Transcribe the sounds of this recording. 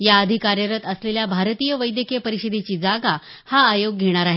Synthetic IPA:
jaəd̪ʱikaɾjəɾət̪əsleljabʱaɾt̪ijəʋəjd̪jəkepəɾiɕəd̪et͡ɕiːd͡zaɡa | haːjoɡːʱeɽ̃aɾaɦe

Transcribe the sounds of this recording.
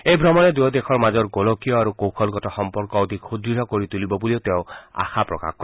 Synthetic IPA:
ejbʱɾɔmɔned̪ujɔd̪ekʰɔɾmad͡ʒɔɾɡolokijɔaɾukowkʰɔlɡɔtɔxɔmpɔɾkɔɔd̪ʱikhud̪ɾiɾɔkoɾit̪ulibɔbuliot̪eʊ̃a̰xapɾɔ̰ka̰kʰkːɔ

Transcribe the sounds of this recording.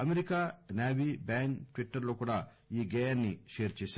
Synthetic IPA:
ɐmeɾikaːnaːʋiːbaːnʈʋiʈːɐɾlo̞ːkuːɽaː | iːɡeːɐɾniʃeːɐɾt͡ʃeːsa

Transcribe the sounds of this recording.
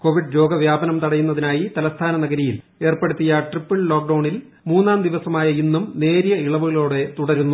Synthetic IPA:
ko̞ːʋiɖɾo̞ːɡɐʋjaːbɐnɐmt̪ɐɽɐjːunːɐðinaːjit̪ɐlɐst̪ʰaːnɐnɐɡɐɾijil | e̞ːrpe̞ɽut̪ːijɐʈripːɨɭlo̞ːk̚ɖɐwɳil | muːnːaːnd̪iʋɐsɐmaːjɐinːumne̞ːɾijɐiɭɐʋuɣɐɭo̞ːɽe̞t̪uɽɐɾunːu

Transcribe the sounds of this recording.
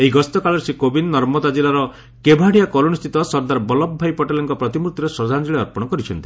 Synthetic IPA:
eɦiɡɔst̪ɔkaɭɔɾsikobinnɔɾmɔd̪ad͡ʒilaɾɔ | kebʱaɽijakɔluñst̪ʰit̪ɔsɔɾd̪aɾbɔlɔbːʱajpɔʈelɔŋkɔpɾɔt̪imɾukt̪ːiɾesɾɔd͡ʒʱand͡ʒiɭeɔɾpɔɽ̃ɔkɔɾit͡ʃʰɔnt̪i

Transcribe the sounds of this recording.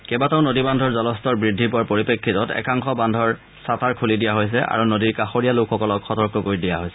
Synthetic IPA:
kɛbataʊ̃nodibandʱɔɹzɔlɔstɔɹbɹidʱːipʊaɹpoɹipekʰːitɔtɛ̰kaŋxɔbandʱɔɹ | satʰaɹkʰulidijaɦojs̬ɛʔa̰ɹunodiɹkaxoɹijalʊkʰxɔkɔlɔkxɔtɔɹkɔkoɹidijaɦojsɛ̥

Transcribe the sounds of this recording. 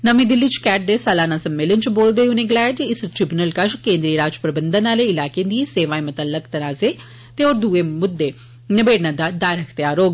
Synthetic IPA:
nəmĩːd̪ɪlːit͡ʃkɛːʈ̚d̪eːsaːlaːnãːsəmːeːlənt͡ʃboːld̪eːunẽːɡlɛːd͡ʒiɪsʈɾɪbʊnəlkəʃkẽːnd̪ɾiːɾaːd͡ʒpɾəbənd̪ənaːleːɪlaːkẽd̪iːseːʋaːẽmət̪əlːəkt̪ənaːzeː | t̪eoːɾd̪uːeːmʊd̪ːeː | nɪbeːɖnãːd̪aːd̪aːɾɦəkʰt̪jaːɾoːɡ

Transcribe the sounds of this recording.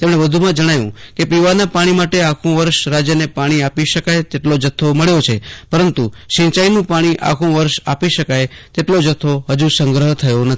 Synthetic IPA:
t̪emɽ̃ebəd̪ʱumãd͡ʒəɽ̃ajṵ̃kepiʋanapaɽ̃imaʈeakʰũʋəɾʃɾad͡ʒjənepaɽ̃iapiʃəkajt̪eʈlod͡ʒət̪ʰːoməɭjot͡ʃʰepəɾənt̪uʃĩt͡ʃainũpaɽ̃iʔa̰kʰũʋəɾʃapiʃəkajt̪eʈlod͡ʒət̪ʰːoɦəd͡ʒusə̃ŋɡɾəɦət̪ʰəjonət̪

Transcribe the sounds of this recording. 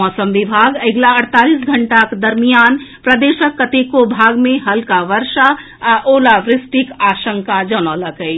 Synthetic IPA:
ɔsəmʋibʱaɡəɪɡlaəɽt̪alisɡʱəɳʈakd̪əɾmijanpɾəd̪eʃəkːət̪ekobʱaɡmeɦəlkaʋəɾʃa | ʔolaʋɾɪsʈikaʃəŋkad͡ʒənɔləkəj

